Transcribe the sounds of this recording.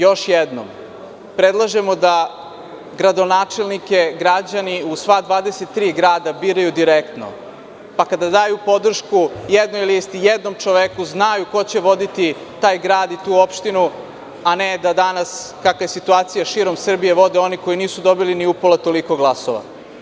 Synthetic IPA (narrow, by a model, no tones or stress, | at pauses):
jo̞ʃjed̪no̰m | pɾed̪lˠaʒemod̪a | ɡɾad̪o̞naːt͡ʃe̞lˠnike̞ɡɾad͡ʑaniusʋaːd̪ʋaːd̪ese̞t̪ːɾiːɡɾaːd̪abiːɾajud̪iɾek̚t̪no̞̰ | pakad̪ad̪aːjupo̞d̪r̩ʃkujed̪nojlist̪ijed̪no̞mt͡ʃoʋekuznajuko̞t͡ɕe̞ʋo̞d̪it̪i | t̪aːjɡɾaːd̪it̪uːo̞pʃt̪inu | aned̪ad̪anaskakaje̞sit̪uaːt̪sijaʃiɾo̞msr̩bije̞ʋo̞d̪eo̞niko̞iniːsud̪o̞biliniupolat̪o̞liko̞ɡlˠasoʋa̰